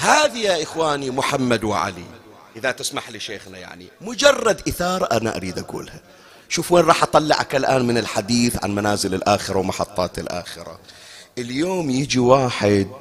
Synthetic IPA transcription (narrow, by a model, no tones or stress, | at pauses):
haːðijaʔɪxwaːnimʊħamːad̪wɪ̰ʕa̰lḭ | ʔɪðat̪ɪsmaħliʃeːxnaja̰ʕnḭmʊd͡ʒɑrˤːɑd̪ʔɪθɑːɾˤɑʔanaʔa̰ɾiːd̪ʔaɡṵːlha | ʃuːfweːnɾˤɑːħʔɑt̪ˤɑlːɪ̰ʕa̰kalʔaːnmɪnɪlħad̪iːθʕa̰nmanaːzɪlɪlʔaːxɪɾawmɑħɑt̪ˤːɑːt̪ɪlʔa̰ːxɪɾa̰ | ʔɪljoːmjid͡ʒiwaːħɪd̪̚